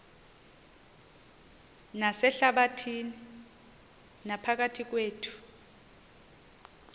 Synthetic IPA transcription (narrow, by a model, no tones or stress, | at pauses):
nasɛɬaɓatʰini | napʰak̬atʰik̬weːtʰu̥